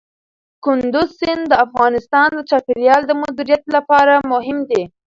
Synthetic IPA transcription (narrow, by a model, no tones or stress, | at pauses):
kʊnd̪ʊzsɪnd̪əafɣɑnɪst̪ɑnd̪ət͡ʃɑpeɾjɑld̪əmʊd̪iɾijat̪lapɑɾamʊɦɪmd̪e